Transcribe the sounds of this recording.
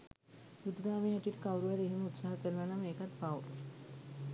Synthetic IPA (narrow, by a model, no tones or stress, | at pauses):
ɡud̪ɾaːmeɦæt̪uʋiʈəkawɾuʋaɾəeɦiməut̪saɦakəɾənanameːkat̪baʋ